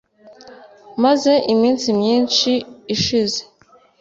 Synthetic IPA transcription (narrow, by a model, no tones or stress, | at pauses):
maze̞ʔimiːnsimjiːnt͡ʃiːʃize̥